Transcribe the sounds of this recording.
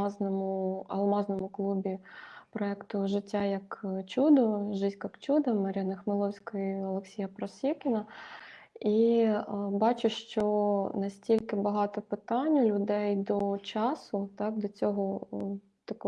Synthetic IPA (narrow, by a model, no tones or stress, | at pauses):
ɑznɔmʊɐ̰lˠmɑznɔmʊklˠubʲipɾɔɛkt̪ʊʒɪtʲːajɐkt͡ʃud̪ɔʒɪsʲkɐkt͡ʃud̪ɐmɐɾʲanɐxmɪlˠɔwsʲkɔjiɐlˠeksʲijɐpɾɐsʲikʲɪnɐ | i | bɑt͡ʃʊʃt͡ʃɔnɐsʲtʲilʲkɪbɐɦɑt̪ɔpɪt̪ɑnʲːʊlʲʊd̪ɛjd̪ɔt͡ʃɑsʊt̪ɑkd̪ɔt͡sʲɔɦɔ | t̪ɐkɔ